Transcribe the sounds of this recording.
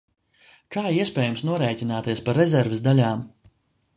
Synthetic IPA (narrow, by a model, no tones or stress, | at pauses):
kaːiɛspʲɛːjumsnuɔɾɛːjtʲinaːt̪iɛspaɾɛzʲɛɾvɪzd̪alʲaːm